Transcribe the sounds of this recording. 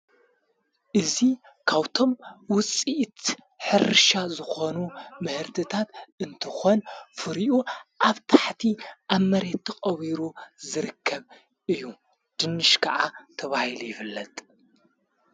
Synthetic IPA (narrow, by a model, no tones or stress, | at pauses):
ʔɨzi | kʰaβt̪ʰo̞mwʊt͡sʼiʔt̪ | ħɨɾɨʃazɨxo̞numɨhɨɾt̪ʰɨt̪ʰat̪ɨnt̪ʰɨxo̞nfɨɾiʔuʔaβt̪ʰaħt̪ʰiʔaβmɐɾe̞t̪ːʰɐxʼɐβiɾuzɨɾɨkʰːɐβ | ɨjːu | d̪̥ɨnːɨʃkʰɐʕat̪ʰɐβahilujɪfɨlːɐt̪ʼ